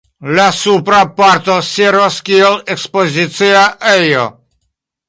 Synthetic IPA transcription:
lasupɾapaɾt̪oseɾvaskielekspozit̪siaʔejo

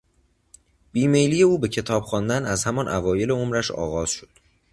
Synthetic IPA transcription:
b̥iːme̞jliːje̞uːbe̞cʰe̞t̪ʰɒːb̥xɒːnd̪ænæzhæmɒnʔævɒːje̞le̞omɾæʃɒ̰ːɣɒːz̥ʃo̥d̪̥

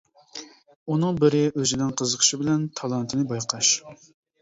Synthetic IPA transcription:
unɨŋbɪɾɪʔøzɪnɪŋqʰəzəqʰə̥ʃɪbɪlɛnt̪ʰɑlˠɑnt̪ʰɨnɨbɑjqʰɑʃ

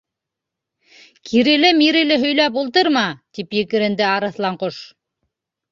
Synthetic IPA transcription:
kʰiɾɘ̆lɘmiɾɘ̆lɘɦɵ̆jlæp̬ulˠt̪̬ɤɾmɑt̪ipjɘ̆kɘ̆ɾɘ̆nd̪ɘɑɾɤ̆θlˠɑɴqoʃ

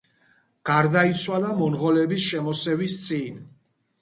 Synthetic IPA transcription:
ɡ̥aɾd̪ait̪sʰwalamɔnʁɔlɛbisʃɛmɔsɛvist̪sʼin

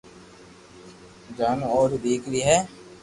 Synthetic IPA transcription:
d͡ʒaːnɔːɾd̪iːkʰɾiːɦɛː

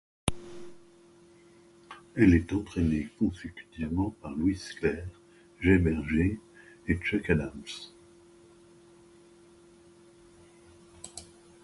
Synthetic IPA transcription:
ɛlɛt̪ɑ̃t̪χɛnekɔ̃sekʲy̥t̪ivmɑ̃paʁlwisklɛːʁ | ʒebɛʁʒeet͡ʃɛkad̪ams

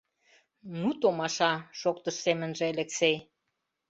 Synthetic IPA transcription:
nut̪omɑʃɑʃokt̪əʃsemə̆nʒĕeleksej

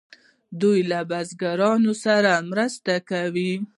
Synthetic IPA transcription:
d̪ujlabazɡaɾɑnosaɾamɾəst̪akawi

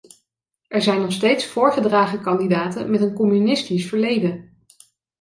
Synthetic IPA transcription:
ʔɛɹzɛjnɔχstejtsfʊːɹχədraːχəkɑndidaːtə̰nmɛtənkɔmynɪstisfəɹlejdə

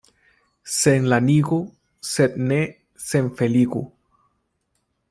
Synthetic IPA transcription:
seŋlaniɣu | set̪̚ne | seɱfeliɣṵ

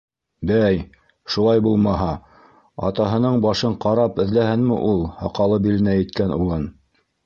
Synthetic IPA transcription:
bæj | ʃulˠɑjbulˠmɑɦɑ | ɑ̰t̪ɑɦɤ̆nɤɴbɑʃɤɴqɑɾɑpɘ̆ðlæhɘnmɘ̰ʔulˠhɑ̰qɑlˠɤbilɘ̆næjɘ̆t̪̚kænulˠɤn

